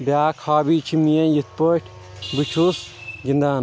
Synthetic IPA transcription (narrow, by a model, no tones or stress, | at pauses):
bʲaːkʰhaːbiːt͡ʃʰimijɐ̃njit̪̚poʈʰ | bɨt͡ʃʰusɡind̪aːn